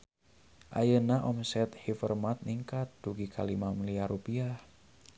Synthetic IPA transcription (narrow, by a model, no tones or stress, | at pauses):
ʔa̰jənaʔɔmsɛt̪hifərmat̪̚niŋkat̪̚duɡikʰalimamiliaɾupiah